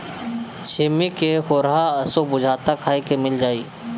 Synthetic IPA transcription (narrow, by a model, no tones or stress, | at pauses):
ʃɪmːikexoːɾɦaɐsobʊd͡ʒʱaːt̪akʰaːikemɪld͡ʒaːiː